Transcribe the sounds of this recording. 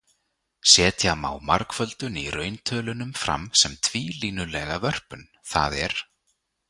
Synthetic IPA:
sɛːt̪ʰjama̰ːwmaɾkfœlt̪ʏniɾœːɥnt̪ʰœːlʏnʏmfɾa̰msɛmt̪ʰviːliːnʏlɛɣavœr̥pʏn | θaðɛɾ̥

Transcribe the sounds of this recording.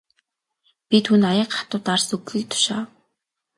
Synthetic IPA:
pʲit̪ʰunajə̆qχḁt̪ʊːt̪arsɵɡxiːk̚t̪ʰʊ̥ʃaː

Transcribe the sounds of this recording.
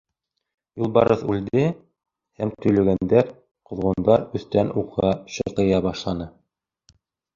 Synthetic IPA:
julˠbɑɾɤθʉld̪ɘ | hæmt̪ɵ̆jlɵɡænd̪æɾ | qŏðʁɤ̆nd̪ɑɾɵ̆θt̪ænʔuqɑɕɤ̰̆q̪ɤ̆jɑbɑʃlˠɑnɤ

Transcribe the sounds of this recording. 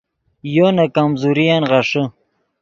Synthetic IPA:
jonɐkamzuɾijanʁaʂə

